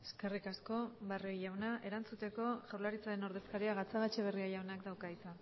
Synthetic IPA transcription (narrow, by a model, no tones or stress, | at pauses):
e̞ske̞rikasko̞βarojawnaʔe̞ɾant͡sut̪e̞ko̞ʝawɾlaɾit͡saɾe̞no̞ɾðe̞skaɾiaɣat͡saɣat͡ʃeβ̞e̞riajawnakd̪awkaisa